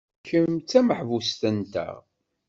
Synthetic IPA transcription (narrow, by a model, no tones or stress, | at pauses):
çəmt͡sːæməħvust̪ənt̪æ̰